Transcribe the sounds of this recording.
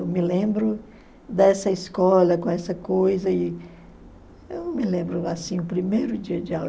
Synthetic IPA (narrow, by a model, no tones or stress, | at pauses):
wmɪlẽmbɾʊ | d̪ɛsɐiskɔlɐkõɛsɐkojzɐɪ | ewmɪlẽmbɾʊasĩʊpɾimejɾʊd͡ʒiɐd͡ʒɪaw